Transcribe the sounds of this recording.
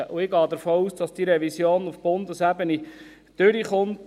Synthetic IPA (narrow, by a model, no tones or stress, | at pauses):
əʔuɪɡɑːd̪əɾfoːuːsd̥ɑsd̥iɾɛvisjoːnufb̥ʊnd̪əsæbəni | d̥øɾiχʊnt